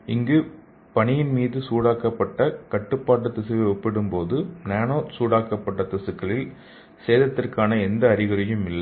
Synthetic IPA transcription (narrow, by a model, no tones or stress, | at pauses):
ɪŋɡɯ | pɐɳɪjɪnmiːðɯsuːɽaːkɐpːɐʈːɐkɐʈːɯpːaːʈ̬ːɐt̪ɪsɐʋɛɔpːɪɽɯmpoːðɯnaːnoːsuːɽaːkɐpːɐʈːɐt̪ɪsɯkːɐɭɪl | seːðɐt̪ːɪrkaːnɐɛnd̪ɐːɾɪɣɐɾɪjɯmɪlːɐ